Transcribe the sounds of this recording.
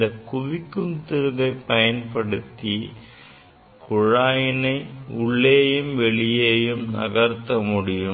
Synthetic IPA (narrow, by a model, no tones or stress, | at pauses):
nd̪ɐkʊʋɪkːɯmt̪ɪɾɯɣɐɪpɐjɐnpɐɽɯt̪ːi | kʊɻaːjɪnɐɪʊɭːeːjɯmʋɛɭɪjeːjɯmnɐ̰ɣɐɾt̪ːɐmʊɽɪjɯ